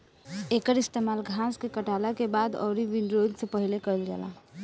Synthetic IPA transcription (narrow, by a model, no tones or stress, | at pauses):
ekəɾist̪emalɡʱãskekəʈalakebad̪ɔ̰ːɾiʋiɳɖɾoid̪sepəɦilekəilɡɛ̰la̰